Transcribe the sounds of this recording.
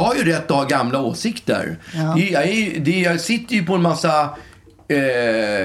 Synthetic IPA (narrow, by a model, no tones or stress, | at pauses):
haɾjɵɾɛt̪ːɔhaɡamlaoːsɪkt̪ə̰ɾɛjɑæɾjd̪ɛjɑɡsɪt̪ːəjɵpɔɛnmasːa